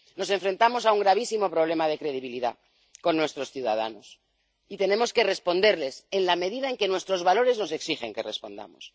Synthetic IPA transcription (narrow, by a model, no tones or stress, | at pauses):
no̞se̞ɱfɾe̞nt̪amo̞s̬auŋɡɾaβ̞isimo̞pɾo̞β̞le̞maðe̞kɾe̞ð̞iβ̞iliða̰ | ko̞nːwe̞st̪ɾo̞sθjuða̰ða̰no̞s | it̪e̞ne̞mo̞ske̞re̞spo̞nd̪e̞ɾle̞se̞nlame̞ðiðaeŋke̞nwe̞st̪ɾo̞zβalo̞ɾe̞zno̞se̞ksixe̞ŋke̞re̞̰spo̞̰nd̪a̰mo̞̰s